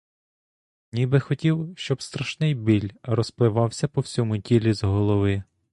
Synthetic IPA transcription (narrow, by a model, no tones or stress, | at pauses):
nʲibɪxɔtʲiwʃt͡ʃɔbst̪ɾɐʃnɪjbʲilʲrɔsplˠɪʋɑwsʲɐpɔwsʲɔmʊtʲilʲizɦɔlˠɔʋɪ